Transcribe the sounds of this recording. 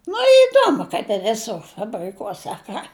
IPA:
nʊ ɪˈduɔmʊ kɐɪp ɪ ʋʲɪˈsʊr fɐbʲrʲɪˈkuɔsʲɛ ɐ ˈkɑː

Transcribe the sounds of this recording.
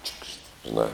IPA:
t͡ʃʲʊkʃt ʒʲɪˈnɑː

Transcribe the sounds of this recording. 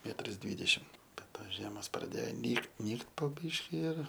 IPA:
ˈmʲæːtrɐs ˈdʲʋʲiːdʲɛʃʲɪm bʲɛt ˈtoːs ˈʒʲiɛmoːs prɐˈdʲeːjoː ˈnʲiːkt ˈnʲiːkt poː ˈbʲiːʃʲkʲɪ ɪr

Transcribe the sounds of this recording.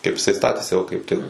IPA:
kɐɪp ɪˈsɐɪ ˈstɑːtʲeːsʲɪ ˈoː kɐɪp ˈtʲɪk

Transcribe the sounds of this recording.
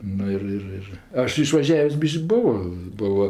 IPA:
ˈnʊ ɪr ˈɪr ɪr ˈɐʃ ɪʃʋɐˈʒʲæːʋʲeːsʲ ˈbʲɪʃʲkʲ ˈbʊʋoː ˈbʊʋoː

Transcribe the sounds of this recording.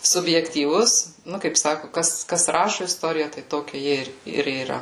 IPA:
sʊbʲjɛktʲiːˈʋʊs ˈnʊ kɐɪp ˈsɑːkʊ ˈkɐs kɐs ˈrɑːʃʊ ɪsˈtoːrʲɪjæː tɐɪ ˈtoːkʲɛ ˈjɪ ɪr ɪr iːˈrɐ

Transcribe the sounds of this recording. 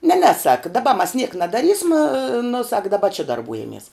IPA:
nʲɛ nʲɛ sɐk dɐˈbɐ mɐs nʲiɛk nɐdɐˈrʲiːsmɐ nʊ sɐk dɐˈbɐ t͡ʃʲɪ dɐrˈbuːjɛmʲiɛs

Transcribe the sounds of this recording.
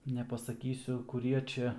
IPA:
nʲɛpɐsɐˈkʲiːsʲʊ kʊˈrʲiɛ ˈt͡ʃʲɛ

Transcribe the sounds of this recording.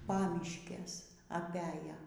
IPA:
ˈpɑːmʲɪʃʲkʲɛs ɐˈpʲæjɛ

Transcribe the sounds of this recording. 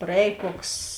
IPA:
prɐˈɛːj ˈkoːks

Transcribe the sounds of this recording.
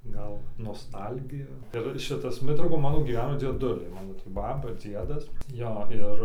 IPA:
ˈɡɐlˠ noːˈstɐlʲɡʲɪjʊ ɪr ˈʃʲɪtɐs ˈmʲɪtrɐʊkoːn ɡʲiːˈʋʲæːnoː ˈmɑːnoː d͡zʲiɛˈdʊlʲɛɪ ˈmɑːnoː tʲiː ˈbɑːbɐ ˈd͡zʲiɛdɐs ˈjoː ˈɪr ˈɪr

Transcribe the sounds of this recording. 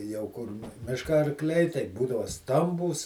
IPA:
jɛʊ ˈkʊr ˈmʲɪʃkɐ ɐrˈklʲɛɪ tɐɪˈbuːdɐʋɐ ˈstɐmbuːs

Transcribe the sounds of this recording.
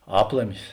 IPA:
ˈɑːplˠɐmʲɪs

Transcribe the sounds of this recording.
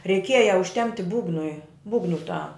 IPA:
rʲɛɪˈkʲiɛjɛ ʊʃʲˈtʲɛmʲpʲtʲɪ ˈbuːɡnʊɪ ˈbuːɡnʊ tɐ

